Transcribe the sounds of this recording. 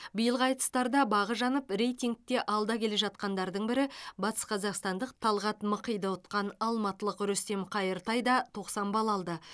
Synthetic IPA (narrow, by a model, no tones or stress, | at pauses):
bəjəlˠɑjt̪ə̥st̪ɑɾd̪ɑbɑʁəʒɑnəpre̞jt̪ʲiŋk̚t̪e̞ʔɑlˠd̪ɑkʲʰe̞le̞ʒɑt̪̚qɑnd̪ɑɾd̪əɴbɪɾɪbɑt̪ə̥sqʰɑzɑqst̪ɑnd̪əq̚t̪ʰɑlˠʁɑt̪məqəjd̪əʊt̪qɑnɑlˠmɑt̪əlˠəqɾʏst̪e̞mqʰɑjəɾt̪ɑjd̪ɑt̪ʰo̞qsɑmbɑlˠɑlˠd̪ə